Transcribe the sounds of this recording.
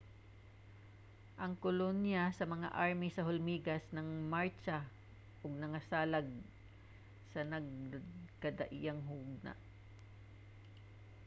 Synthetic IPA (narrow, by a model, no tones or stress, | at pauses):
ʔɐŋkolonjasɐmɐŋa̰ʔaɹmisɐɦolmiːɡɐsnɐŋmaɹt͡ʃa | ʔoɡ̚nɐŋɐsaːlɐɡ̚ | sɐnɐɡ̚kɐd̪ɐʔijaŋɦuɡ̚na̰ʔ